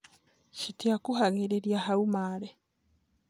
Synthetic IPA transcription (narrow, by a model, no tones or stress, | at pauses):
ʃitiakuɦaɣeɾeɾjahaumaːɾe